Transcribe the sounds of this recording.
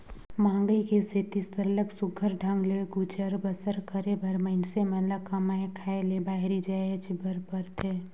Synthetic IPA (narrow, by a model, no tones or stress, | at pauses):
mãːŋɡəikeset̪ist̪əɾləɡsʊɡʱəɾɖʱə̃ŋɡleɡut͡ʃəɾbəsəɾkəɾebəɾməɪnseməlakɐmaekʰaelebaːɦɾid͡ʒaːet͡ʃibəɾpəɾt̪ʰeː